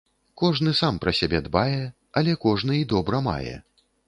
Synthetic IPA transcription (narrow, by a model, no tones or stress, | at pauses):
kɔʐnɨsampɾɐsʲabʲɛd̪bajɛ | ɐlʲɛkɔʐn̪ɨid̪ɔbɾɐma̰jɛ̰